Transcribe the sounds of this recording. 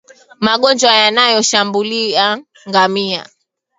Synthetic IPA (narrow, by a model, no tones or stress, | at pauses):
maɠɔnd͡ʒwajanajɔʃambulia | ŋɡamia̰